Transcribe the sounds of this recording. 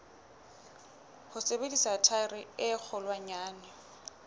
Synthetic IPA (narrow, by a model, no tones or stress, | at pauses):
hʊsebedisatʰaɪrɪɪk͡xʰɔlwaɲaːnɪ